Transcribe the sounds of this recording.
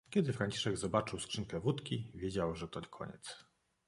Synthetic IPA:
kʲɛd̪ɘfɾaɲt͡ɕi̥ʂɛɡzɔbat͡ʂɘwskʂɘŋkɛvut̪kʲivʲjed͡ʑawʐɛt̪ɔɲɛkʰɔ̰ɲɛ̰t̪s

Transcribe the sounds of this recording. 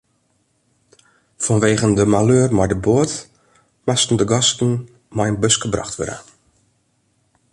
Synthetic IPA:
fɔnʋeːɣəndəmaløːrmɔjdəboət | mastn̩dəɡɔstn̩ | mɔjənbøskəbra̰xtʋø̰ɾə̰

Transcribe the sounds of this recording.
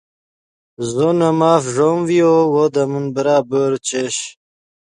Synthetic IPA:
zonɐmaːfʐomviowod̪ɐmunbəɾaːbəːɾt͡ɕeɕ

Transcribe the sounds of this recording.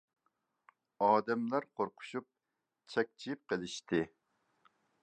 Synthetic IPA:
ɑːd̪ɛmlæɾqʰoɾqʰʊ̥ʃup̚ | t͡ʃʰɛk̚ʲt͡ʃʰijip̚qʰəlˠɪʃt̪ʰɪ

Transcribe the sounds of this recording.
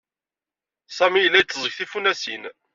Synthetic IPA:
sæmijəlːæjət͡sːzˤəçθifunæsin

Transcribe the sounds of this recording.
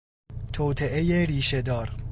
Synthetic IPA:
t̪ʰoːt̪ʰeʔejeɾiːʃed̪ɒːɾ

